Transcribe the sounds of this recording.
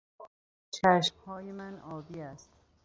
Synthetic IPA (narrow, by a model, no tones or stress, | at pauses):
t͡ʃʰæʃmhɒːjemænɒːbiːæst̪